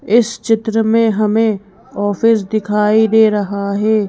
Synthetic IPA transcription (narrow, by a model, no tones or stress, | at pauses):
ɪst͡ʃɪt̪ɾəmẽɦɐmẽ | ɔːfɪs̬d̪ɪkʰaːid̪eːɾɐɦaɦɛː